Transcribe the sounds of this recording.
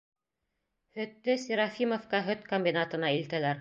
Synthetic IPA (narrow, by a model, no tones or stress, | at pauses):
hɵ̆t̪ːɵsʲiɾafʲimofkɑɦɵt̪komʲbʲinat̪ɤ̆nɑilt̪ælæɾ